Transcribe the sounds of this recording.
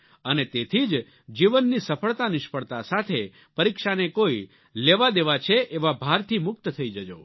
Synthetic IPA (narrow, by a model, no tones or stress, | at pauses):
ənet̪et̪ʰid͡ʒ | d͡ʒiʋənːisəfʰəɭt̪anɪʃpəɭt̪asat̪ʰe | pəɾikʃanekoi | leʋad̪eʋat͡ʃʰeʔeʋabʱaɾt̪ʰimʊk̚t̪t̪ʰəid͡ʒəd͡ʒo̰